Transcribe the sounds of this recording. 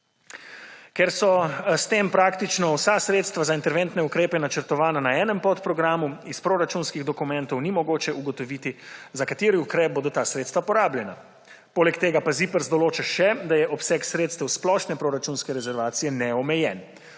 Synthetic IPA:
kɛɾsɔst̪empɾaːkt̪it͡ʃnɔwsasɾeːt̪st̪ʋazaint̪ɛɾʋɛnt̪nɛukɾeːpɛnat͡ʃəɾt̪ɔʋaːnanaɛːnɛmpɔt̪pɾɔɡɾaːmuispɾoɾat͡ʃunskiɣd̪ɔkumɛnt̪ɔwnimɔɡoːt͡ʃɛʔuɡɔt̪ɔʋiːt̪izakat̪eːɾiukɾɛːp̚boːd̪ɔt̪aːsɾet̪st̪ʋapɔɾaːbljɛna | poːlɛkt̪eːɡapazipəɾzd̪ɔloːt͡ʃɛʃɛd̪ajɛʔɔpsɛksɾeːt̪st̪ɛwsplɔʃnɛpɾoɾat͡ʃunskɛɾɛzɛɾʋaːt̪sijɛnɛɔmɛjɛn

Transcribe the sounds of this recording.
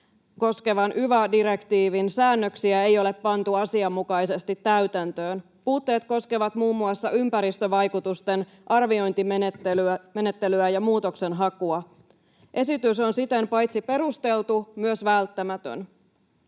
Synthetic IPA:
ko̞ske̞ʋɑnʔyʋædiɾe̞kt̪iːʋinsæːnːøksiæe̞jo̞le̞pːɑnt̪uɑsiɑmːukɑjse̞st̪it̪ːæyt̪ænt̪ø̞ːn | puːt̪ːe̞ːt̪ko̞skeʋɑt̪muːmːuɑsːɑympæɾist̪øʋɑjkut̪ust̪en | ʔɑrʋio̞jnt̪imtːelyæme̞ne̞t̪ːe̞lyæjɑmuːt̪o̞kse̞nɦɑkuɑ | ʔe̞sit̪yso̞nsit̪empɑjt̪sipe̞ɾust̪e̞lt̪umyøsʋælt̪ːæmæt̪ø̰n

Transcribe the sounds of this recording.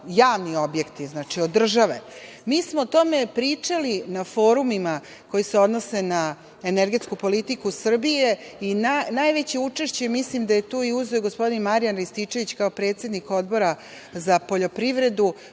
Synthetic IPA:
jaːʋnio̞bje̞kt̪iznaːt͡ʃiod̪r̩ʒaʋe̞ | miːsmot̪o̞me̞pɾit͡ʂalinafo̞ːɾumima | ko̞jiseo̞d̪no̞se̞na | eneɾɡe̞t̪skupolit̪ikusr̩bije̞inanajʋe̞t͡ɕeut͡ʂeʃt͡ɕemislimd̪aje̞t̪uːiuzeoɡospo̞d̪inmaɾijanɾist̪it͡ʃe̞ʋit͡ɕkaopɾet̪sje̞d̪niko̞d̪bo̞ɾa | zapo̞ʎo̞pɾiʋɾe̞d̪u

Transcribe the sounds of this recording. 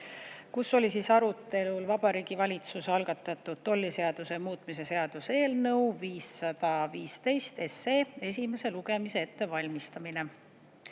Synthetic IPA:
kusːo̞lʲisiːsɑɾut̪ːˑe̞lulvɑb̥ɑɾiːɡ̥ivɑlʲit̪susɑlɡ̥ɑt̪ˑːɑt̪ːˑud̪̥̚t̪o̞lʲːise̞ɑd̪̥use̞muːt̪ˑmise̞se̞ɑd̪̥use̞ːlnɤ̞wviːsːɑd̪̥ɑviːst̪e̞jst̪e̞sːeːe̞s̬ʲime̞se̞luɡ̥e̞mise̞e̞t̪ːe̞vɑlʲmist̪ɑmine̞

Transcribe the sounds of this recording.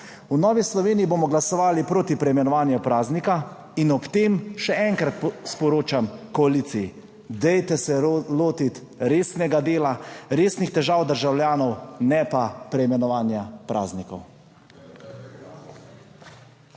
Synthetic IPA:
unɔːʋislɔʋeːniiboːmɔɡlasɔʋaːlipɾoːt̪ipɾɛjmɛnɔʋaːnjupɾaːznika | inɔpt̪eːmʃɛɛŋkɾat̪spɔɾoːt͡ʃamkɔaliːsiji | d̪ɛjt̪ɛsɛloːt̪it̪ | ɾeːsnɛɡad̪eːlaɾeːsnixt̪ɛʒaːwd̪əɾʒawljaːnɔwnɛpapɾɛimɛnɔʋaːnjapɾʔa̰ːznikɔw

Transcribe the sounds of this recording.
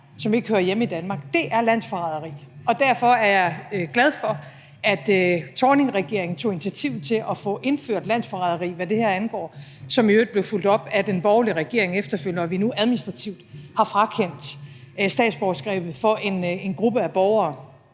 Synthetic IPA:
sɒ̽me̝ɡ̥əhøːɐjemid̥ænmɑ̈ːɡ̥̚d̥e̝ʔæɐlæn̰sfɑʁɑðˠɐʁḭːɒ̽d̥æɐ̰fɒ̽æɐjɑ̈ɡ̥læð̞ˠfɒ̽ | ʔæd̥t͡sʰɒːne̝ŋʁɛɡ̥e̝ɐ̰e̝ŋn̩t͡sʰo̝̰ːi̝ni̥t͡sʰiæt͡sʰiʊð̩ˠt͡sʰe̝lʔɒ̽fɔ̽ʔe̝nføɐ̰d̥læn̰sfɑɑðˠɐʁḭːʋæd̥e̝hæɐænɡ̥ɒ̰ːsɒ̽møːd̥̚ble̝ʊful̰d̥ɒ̽b̥æd̥enb̥ɒʊliʁɛɡ̥e̝ɐ̰e̝ŋefd̥ɐføl̰nɒʋinuʔæð̞ˠminisd̥ʁɑ̈t͡sʰiʊd̥hɑ̈fʁɑ̈kʰen̰d̥ | sd̥ɛ̰ːd̥sb̥ɒʊsɡ̥ʁɛ̰ːb̥ð̩ˠfɒ̽ʔe̝ne̝nɡ̥ʁub̥əæb̥ɒʊɐː

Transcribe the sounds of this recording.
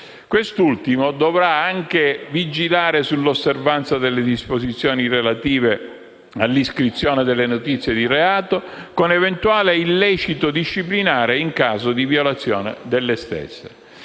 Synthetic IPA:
kwest̪ult̪imod̪ovɾaaŋk̟evid͡ʒilaːɾesulːosːervant̪sad̪elːed̪ispozit̪sːjoːnirelat̪iːve | alːiskɾit̪sːjoːned̪elːenot̪it̪sjed̪ireaːt̪okonevent̪uaːleilːɛːt͡ʃit̪od̪iʃːiplinaːɾeiŋkaːzod̪ivjolat̪sːjoːnḛd̪elːest̪ḛsːe

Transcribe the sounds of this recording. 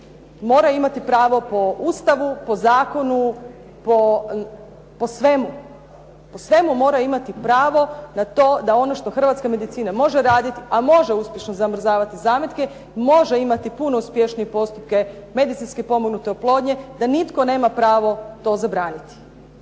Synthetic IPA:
mo̞ːɾajimat̪ipɾaːʋo̞po̞ust̪aʋupo̞zaːko̞nu | po | po̞sʋe̞mu | po̞sʋe̞mumo̞ːɾajimat̪ipɾaːʋo̞nat̪o̞ːd̪ao̞noʃt̪oxr̩ʋat̪skame̞d̪it̪siːnamo̞ʒeɾaːd̪it̪iʔamo̞ʒe̞uspʲje̞ʃnozamr̩zaːʋat̪izaːmjet̪ke | mo̞ʒeimat̪ipuno̞uspje̞ʃnijepo̞st̪up̚ke̞me̞d̪it̪sinskepo̞moɡnut̪e̞oplˠo̞ːd̪ɲe̞d̪anit̪ko̞ne̞ːmapɾaːʋo̞t̪o̞ːzabɾaːnit̪i̥

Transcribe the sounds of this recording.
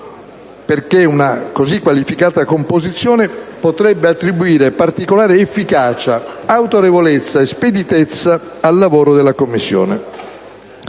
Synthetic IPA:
perkeunakozikːwalifikaːt̪akompozit̪sːjɔːnepot̪ɾɛbːeat̪ːɾibuiːɾepart̪ikolaːɾeːfːikaːt͡ʃaawt̪oɾevolet̪sːaesped̪it̪et̪sːaalːavoːɾod̪elːakomːisːjɔ̰ːne

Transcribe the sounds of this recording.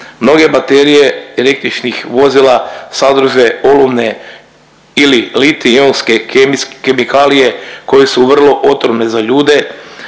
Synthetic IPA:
mno̞ɡe̞bat̪eɾijeele̞k̚t̪ɾit͡ʃnixʋo̞zilasad̪ɾuʒeo̞lomne | ililit̪ionske̞kemikʰalije̞ko̞jesuʋr̩lˠo̞ʔo̞t̪ɾomne̞zaʎuːd̪e̞

